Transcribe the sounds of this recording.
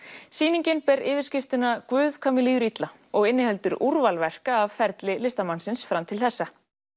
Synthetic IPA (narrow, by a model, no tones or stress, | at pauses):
siːniɲcɪnpɛɾɪːvɪɾ̥scɪft̪ɪnakvʏːðkʰamːɪliːðʏɾit̪la | ɔɣɪnːɪhɛlt̪ʏɾuɾvalvɛr̥kaːvfɛɾt̪lɪlɪst̪amansɪnsfɾamt̪ʰɪlθɛsːa